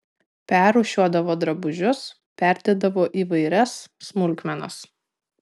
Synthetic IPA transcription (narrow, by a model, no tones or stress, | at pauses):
pʲæɾuːʃʲuɔd̪ɐʋoːd̪ɾɐbʊʒʲʊs | pʲæˑɾʲd̪ʲed̪ɐʋoːʔiːʋɐɪɾʲɛsːmʊlʲkmʲɛnɐ̰s